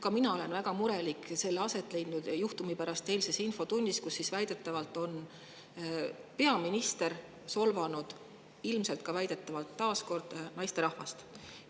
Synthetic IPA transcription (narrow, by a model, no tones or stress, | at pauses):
kɑminɑo̞le̞nvæɡ̥ɑmuɾe̞likˑse̞lːeɑse̞t̪ːˑle̞jd̪nud̪̥juht̪umipæɾɑst̪e̞ːlse̞sinfo̞t̪unʲːiskusːisvæjd̪e̞t̪ːˑɑvɑlt̪ːˑo̞n | pe̞ɑminist̪e̞r | so̞lvɑnud̪̥ | ilmselt̪̚kɑvæjd̪̥e̞t̪ːˑɑvɑlt̪ːɑːsko̞rd̪̥nɑjst̪e̞ɾɑhvɑ̰st̪